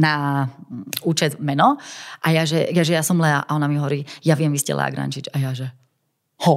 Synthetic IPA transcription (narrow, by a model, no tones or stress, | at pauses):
na | uːt͡ʃɛd̪mɛnɔʔajaʒɛjaʒɛjasɔmlɛaʔaɔnamiɦɔʋɔɾiːjaʋɪɛmʋiscɛ̰lʔɛ̰a̰ɡɾa̰nt͡ʃit͡ʃajaʒɛ | hɔ